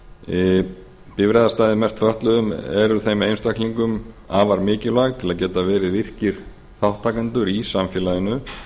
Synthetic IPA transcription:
pɪvɾɛðast̪aːðɪmɛst̪ʰfœht̪lʏðʏmɛ̰ɾʏɾθejmejnst̪akliŋkʏm | aːvaɾmɪːcɪllvaɣt̪ʰɪlaðcɛːt̪avɛːɾɪvɪr̥cɪɾ̥ | θawht̪ʰːaːkant̪ʏɾisamfjɛːlaðɪnʏ

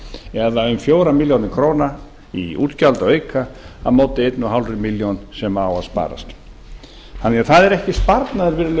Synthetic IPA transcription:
ɛðaʏmfjoːwɾamiljownɪkʰɾoːwna | ḭuːt̪calt̪aweːɥkʰaa̰moːwt̪ɪejt̪nʏɦawlrʏmiljownsɛmawaðspa̰ːɾa̰st̪ | hanaθaðɛɾɛhcɪspaɾt̪naðɪɾvɪɾl

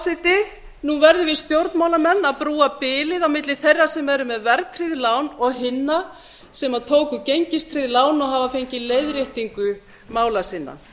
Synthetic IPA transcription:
sɪt̪ɪ | nunvɛɾðʏvɪðst̪jowɾt̪nmaːwlamɛnːaðpɾuːapɪːlɪðawmɪt̪lɪθejrːasɛmɛɾʏmɛðvɛɾt̪ʰɾiðlaːwnɔɣɦɪnːa | sɛmaðt̪ʰoːwkʏcejɲcɪst̪ʰɾiðlaːwnɔɣɦaːvafejɲcɪleːjðɾjɪht̪iŋkʏ | maːwlasɪnːa̰

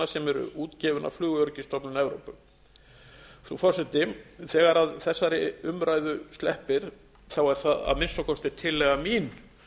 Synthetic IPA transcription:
asɛmɛɾʏ̰ʔuːt̪cɛːvʏna̰vflʏːɣʏœɾcɪst̪ɔpnʏnɛvɾowpʏ | θufɔr̥sɛt̪ɪθɛːɣaɾaðθɛsːaɾɪʏmɾajðʏst̪lɛhpɪɾ̥ | θawɛɾ̥θaða̰ðmɪnst̪ɔkʰɔst̪ɪ̥t̪ʰɪlːɛɣamiːn

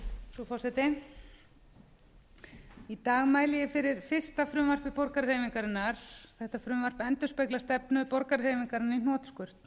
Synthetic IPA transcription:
sɔfɔ̥sɛt̪ɪ | it̪aːɣmaːjlɪjɪfɪɾɪɾ̥fɪr̥st̪afɾʏmvar̥pɪpɔɾkaɾr̥hejvɪŋkaɾɪnːaɾ̥θɛht̪afɾʏmvar̥pɛnt̪ʏspɛjklḁst̪ɛpnʏpɔɾkaɾrejvɪŋkaɾɪninɔːt̪skʏr̥t̪n̥

